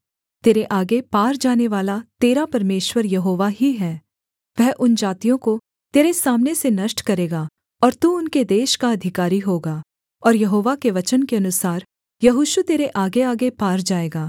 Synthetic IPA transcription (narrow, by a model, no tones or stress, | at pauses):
t̪eːɾeʔaːɡepaːɾd͡ʒaːneʋaːlat̪eːɾapɐɾmeːʃwəɾjɐɦoːʋaɦiɦɛː | ʋɛɦʔʊnd͡ʒaːt̪ijõko | t̪eːɾesaːmnesenɐʃʈkɐɾeːɡaː | ɔːɾt̪uʊnked̪eːʃkaɐd̪ʱɪkaːɾiɦoːɡaː | ɔːɾjɐɦoːʋakeʋɐt͡ʃənkeɐnʊsaːɾ | jɐɦuʃut̪eːɾeʔaːɡeaːɡepaːɾd͡ʒaːeːɡaː